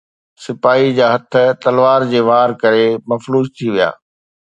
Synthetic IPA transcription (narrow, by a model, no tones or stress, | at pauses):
sɪpaːid͡ʑaːɦɐt̪ʰə̆t̪ɐlʋaːɾd͡ʑeːʋaːɾkɐɾemɐfɾuːzt̪ʰiʋija̰ː